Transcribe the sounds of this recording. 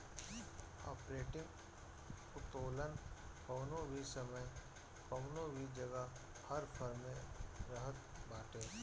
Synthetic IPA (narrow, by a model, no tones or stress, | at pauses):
ɔ̰ːpɾeːʈɪ̃ŋɡ | ʊt̪oːlənkəːnõbʱisəməj | kəːnõbʱid͡ʒɐɡa | hɐɾpʰəɾmẽɾəɦət̪̚baːʈeː